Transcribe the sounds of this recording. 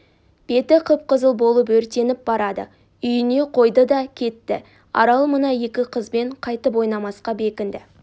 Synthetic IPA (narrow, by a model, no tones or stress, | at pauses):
b̥e̞t̪ɪqʰəp̚qəzəlˠbo̞lˠəpɵɾt̪e̞nɪp̚bɑɾɑd̪ə̰ | ʏjɪne̞qʰo̞jd̪əd̪ɑkʲʰe̞t̪ːɪ | ɑ̰ɾɑlˠmənɑje̞kʲɪqʰəzbe̞ɴqʰɑjt̪əpwo̞jnɑmɑsqɑbe̞kʲɪnd̪ɪ